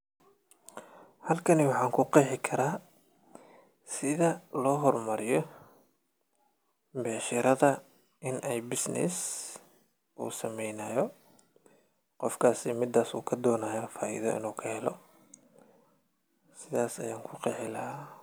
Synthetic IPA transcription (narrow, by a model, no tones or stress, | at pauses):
hɐlkʰɐnɪwɑħɑːŋkʰʊqɛːħɪkʰɐɾaː | sɪðɐlɔːɦɔrmɐɾɪjɔ | bɛːʃɪɾɐðɐ | ʔɪnɛjbɪsnɪ̰s | ʔṵːsɐmɛjnɐːjɔ | qɔfkʰaːsɪmɪd̪ːaːsṵːkʰɐd̪ɔːnaːjafaːḭðɔ̰ʔɪ̰nuːkʰɐhɛlɔ | sɪðaːsɐ̰jaːŋkʰʊqɛːħɪlɐhaː